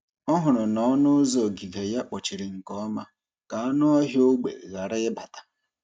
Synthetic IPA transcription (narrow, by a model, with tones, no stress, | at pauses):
ɔ˦ɦʊ˨ɾʊ˨nɔ˨ɔ˦nʊ˦zo˨ɡi˨ve˨ja˦k͡pɔ˨t͡ʃi˨ɾɪ˨ŋ̩˨kɔ˦ma˦ | ka˨a˦nʊ˦ɔ˦ɦɪ˦o˦ɡ͡bḛ˨ɣa˨ɾɪ˦ɪ˦ba˨tḁ˨